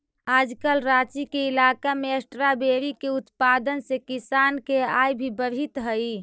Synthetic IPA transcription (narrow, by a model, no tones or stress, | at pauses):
aːd͡ʒkəlɾat͡ʃikeilakameəsʈɾabeɾikeut̪pad̪ənsekisankeajbʱibəɾɦit̪ɦəi